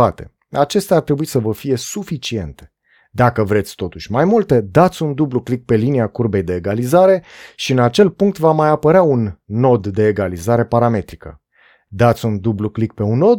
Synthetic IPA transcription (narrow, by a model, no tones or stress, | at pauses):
at̪e̞̰ | at͡ʃe̞st̪eart̪ɾe̞buisəvəfije̞sufit͡ʃie̞nt̪e̞̥ | d̪akəvɾe̞t̪sʲt̪o̞t̪uʃʲmajmult̪e̞d̪at̪sʲund̪ubluklik̚pe̞liniakurbe̞jd̪e̞ːɡalizaɾe̞ʃiɨnat͡ʃe̞lpuŋk̚t̪vamajapəɾeaunːo̞d̪ːe̞ːɡalizaɾe̞paɾame̞t̪ɾikə̰ | d̪at̪sʲund̪ubluklik̚pe̞unːo̞d̪